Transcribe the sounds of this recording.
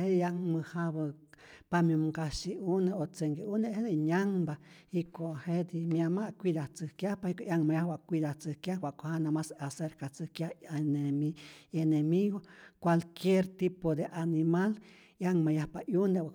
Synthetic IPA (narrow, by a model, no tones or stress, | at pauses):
ejaŋmɨhaβapamimkaʃiʔuneot͡seŋɡeʔuneʔhed̪eɲaŋba | ikohed̪imjamaʔkʷid̪aht͡sɨhkjahpaikoʔjaŋmajahwaʔkʷid̪at͡sɨhkjahwaʔkʷohanamasaseɾkat͡sɨhkjahneienemiɣokʷalkjeɾt̪ipod̪eʔanimal | ʔjaŋmajahpaʔjunewa